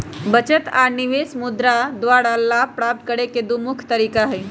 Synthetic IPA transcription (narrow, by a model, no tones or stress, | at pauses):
bət͡ʃət̪a̰niʋesmud̪ɾad̪ʋaɽalːapɾap̚t̪̚kəɽeked̪umukʰt̪əɾiːkaɦɛj